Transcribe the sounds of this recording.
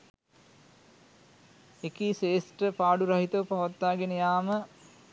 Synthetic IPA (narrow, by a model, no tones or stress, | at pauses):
ekiseːsʈəpaːɖuɾɐɦit̪əʋpaʋat̪ːaːɡenəjaːmə